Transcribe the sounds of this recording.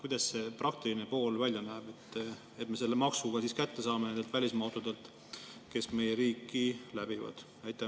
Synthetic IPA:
kujd̪ɑsse̞prɑk̚t̪iline̞po̞ːlvælʲjɑnæːb̥e̞t̪ː | e̞t̪ːˑme̞s̬e̞lːemɑksuɡɑsiskæt̪ːe̞sɑːmenenet̪vælʲismɑot̪ːod̪̥e̞lt̪ˑ | ke̞sme̞jeɾiːkːilæb̥ivɑ̰d̪̥ | ɑjt̪ːˑɑ

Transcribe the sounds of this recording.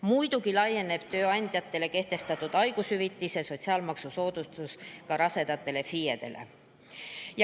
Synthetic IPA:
mujd̪̥ukilɑje̞ne̞b̥t̪ø̞ːɑnʲd̪̥jɑt̪ːˑe̞le̞ke̞ht̪e̞st̪ɑt̪ːˑud̪̥ɑjɡushyvit̪ːise̞so̞t̪ʲsiɑːlmɑksuso̞ːd̪̥ust̪uskɑɾɑse̞d̪̥ɑt̪ːˑe̞le̞fijed̪e̞̰lʔḛ | j

